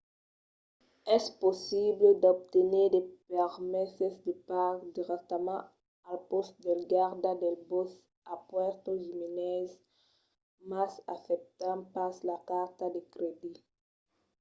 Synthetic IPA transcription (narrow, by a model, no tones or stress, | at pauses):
ɛsposibled̪ɔb̚t̪eneʁd̪epɛʁmɛsesd̪epaɡd̪iʁɛk̚t̪amã | alpɔst̪d̪elɡaʁd̪ad̪elbos | apwɛʁt̪oʒiminɛz | masa̰fɛp̚t̪ãpaslakaʁt̪ad̪ekɾed̪i